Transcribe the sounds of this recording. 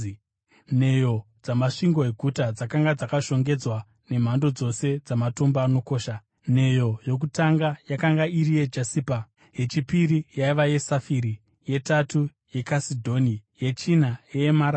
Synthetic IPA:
ne̞jo̞ | d͡zamaʂiŋɡo̞e̞ɡʱutad͡zakaŋɡad͡zakaʃo̞ŋɡe̞d͡zwa | ne̞m̤ando̞d͡zo̞se̞d͡zamatombaːno̞ko̞ːʃa | ne̞jo̞jo̞k̬utaŋɡajakaŋɡairije̞d͡ʒasiːpa | ɦe̞t͡ʃipirijaiʋaje̞safiɾi | je̞tatu | je̞kasidʱonije̞t͡ʃinaeemaɾ

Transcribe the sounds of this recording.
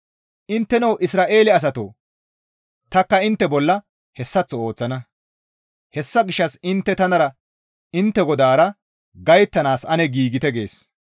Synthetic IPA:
ʔɪnt̪ːɛnɐwʔɪsɾaːʔe̞ːlɪɐs̬ɐt̪o̰ː | t̪ɐkːɐɪnt̪ːɛbɔlːɐ | hɛsːɐt͡sːɔo̞ːt͡sːɐnɐ | hɛsːɐɡɪʃːɐsɪnt̪ːɛt̪ɐnɐɾɐ | ɪnt̪ːɛɡɔd̪aːɾɐ | ɡɐjt̪ːɐnaːsɐnɛɡiːɡɪt̪ɛɡe̞̰ːs

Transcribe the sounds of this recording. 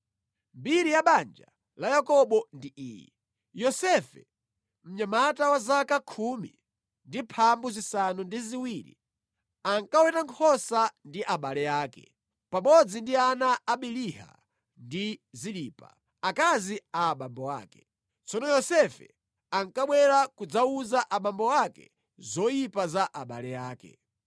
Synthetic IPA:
mbiɾijaɓand͡ʒa̰ | lajakɔɓɔndiʔiːjɛ̰ | jɔsɛfɛ̰ | m̩ɲamatawazakakʰumḭ | ndipʰambuzisanundiziwiːɾḭ | aŋkawɛtaŋkʰɔsandiʔaɓalɛjaːkɛ̥̰ | pamɔd͡zindianaːɓiliɦa̰ | ndiziliːpa̰ | akaziaːɓambɔwaːkɛ̥ | t͡sɔnɔjɔsɛfɛ̰ | aŋkaɓwɛɾakud͡zauzaʔaɓambɔwakɛ̰ | zɔjipazaʔaɓa̰lɛjaːkɛ̰

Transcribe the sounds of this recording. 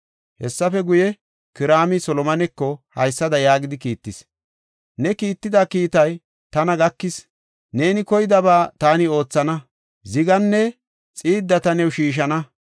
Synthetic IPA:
hɛsːɐfɛɡʊjɛ | kɪɾaːmɪsɔlɔmɐnɛkːɔhɐjsːɐd̪ɐjaːɡɪd̪ɪkiːt̪ːɪs | nɛkiːt̪ːɪd̪akiːt̪ɐj | t̪ɐnɐɡɐkːɪs | ne̞ːnɪkɔjɪd̪ɐbaːt̪aːnɪo̞ːt͡sːɐnɐ | zɪɡɐnːɛ | t͡sʼiːd̪ːɐt̪ɐnɛwʃiːʃ̬ɐnɐ

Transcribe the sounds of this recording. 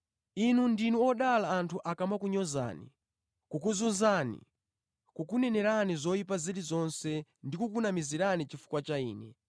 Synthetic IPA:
inundinuɔɗalaːntʰuʔakamakuɲɔza̰ːnḭ | kukuzunzaːnḭ | kukunɛnɛɾanizɔjip̬aziɾizɔnsɛndikukunamiziɾanit͡ʃifu̥kwat͡ʃaiːnɛ̰

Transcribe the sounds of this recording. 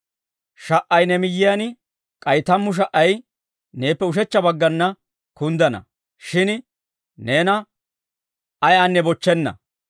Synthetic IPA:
ʃɐʔːɐjnɛmɪjːɪjɐn | kʼɐjt̪ɐmːʊʃ̬ɐʔːɐj | ne̞ːpːɛʊʃ̬ɛt͡ʃːɐbɐɡːɐnːɐ | kʊnd̪ɐnɐ̰ | ʃɪn | ne̞ːnɐ | ɐjaːnːɛbɔt͡ʃːɛnːɐ̰

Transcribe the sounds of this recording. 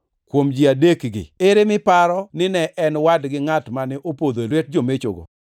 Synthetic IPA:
kwomd͡ʒiadekɡɪ̰ɪɾɪmɪpaɾɔnɪnɛʔɛnwadɡɪŋatmanɪʔopod̪olwɛt̚d͡ʒomet͡ʃʊɡo̰

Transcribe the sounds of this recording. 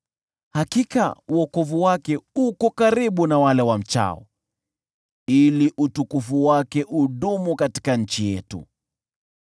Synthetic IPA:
hakika̰uɔkɔvuwakɛukɔkaɾiɓunawalɛwam̩t͡ʃa̰ɔ̰ | iliʔutukufuwakɛʔuɗumukati̥kaɲ̩t͡ʃijɛ̰tṵ

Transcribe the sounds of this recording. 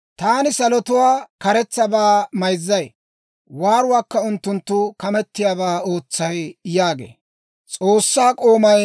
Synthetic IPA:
t̪aːnɪsɐlɔt̪ʊwaːkɐɾɛt͡sːɐbaːmɐjzːɐj | waːɾʊwaːkːɐʊnt̪ːʊnt̪ːʊkɐmɛt̪ːɪjaːβaːo̞ːt͡sːɐjjaːɡḛː | t͡sʼo̞ːsːaːkʼo̞ːmɐj

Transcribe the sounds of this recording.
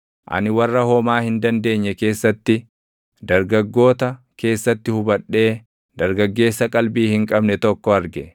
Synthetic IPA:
ʔɐ̰nɪwɐrːɐhɔmaːhɪnd̪ɐnd̪e̞ːɲːɛke̞ːsːɐt̪ːɪ | d̪ɐɾɡɐɡːo̞ːt̪ɐ | ke̞ːsːɐt̪ːɪhʊbɐᶑːe̞ː | d̪ɐɾɡɐɡːe̞ːsːɐkʼɐlbiːhɪŋkʼɐbnɛt̪ɔkːɔɐɾɡɛ

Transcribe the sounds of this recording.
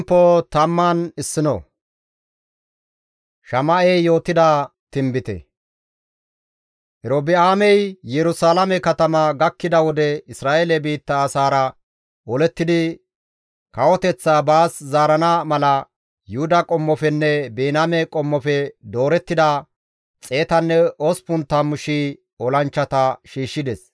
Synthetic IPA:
pːoːt̪ɐmːaːnɪsːɪnɔ̰ | ʃɐmɐʔɛjjo̞ːt̪ɪd̪at̪ɪmbɪt̪ɛ̰ | hɛɾobɪaːmɛjjɛɾʊsaːlɐmɛkɐt̪ɐmɐɡɐkːɪd̪ɐwɔd̪ɛɪsɾaːjelɛbiːt̪ːɐːsaːɾɐ | ɔlɛt̪ːɪd̪ɪ | kɐwɔt̪ɛt͡sːaːbaːszaːɾɐnamɐlɐ | jʊhʊd̪ɐkʼɔmːɔfɛnːɛbeːnamɛkʼɔmːɔfɛd̪oːɾɛt̪ːɪd̪a | t͡sʼe̞ːt̪ɐnːɛospʊnt̪ːɐmʊʃi | ɔlɐnt͡ʃːɐt̪ɐʃiːʃːɪd̪ɛs

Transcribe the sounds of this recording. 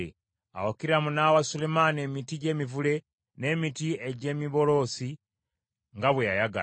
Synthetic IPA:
ḛ | a̰wokiɾɾamunawasulemanie̞mitiɟe̞ːmivule̞ | ne̞ːmitieɟe̞ːmiβo̞lo̞ːsi | ŋɡaβwejajaɡa̰

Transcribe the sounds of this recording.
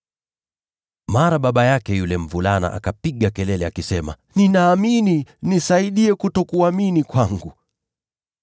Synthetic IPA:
maɾaɓaɓajakɛjulɛm̩vulana̰ʔa̰kapiɠakɛlɛlɛakisɛma̰ | ninaːmininisaiɗiɛkutɔkuaminikwaŋɡu

